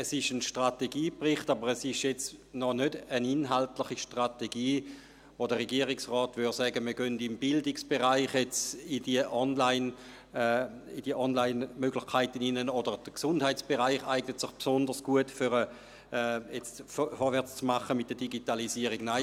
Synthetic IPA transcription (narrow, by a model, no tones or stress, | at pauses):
ɛsɪʃənʃtʁateɡiːpʁɪχtabəʁɛsɪʃjɛt͡snɔnødəninɦaltlɪχiʃtʁateɡiː | ʋodəʁeɡiəʁɪksʁɔːtʋyɾsɛɡəməɡøndɪmbɪldɪksb̥eʁaɪχjet͡sidiəʔɔnlaɪn | id̥iəʔɔnlaɪnmøɡlɪχkʰaɪtəninənodəʁd̥əksʊndhaɪtt͡sb̥eʁaɪχaɪɡnətsɪχpsɔndəʁsɡ̥uətføʁə | ɛjɛt͡sffɔɾʋɛɐt͡st͡smaχəmɪt̚d̥əd̥iɡitalisiəʁiɡ̥naɪ